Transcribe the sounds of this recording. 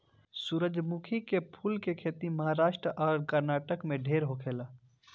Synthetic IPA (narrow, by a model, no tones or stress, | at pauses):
suːɾəd͡ʒmukʰikepʰuːlkekʰeːt̪iməɦaɾaːʃʈɾəʔɔːɾkəɾnaːʈəkmẽɖʱeːɾɦokʰeːla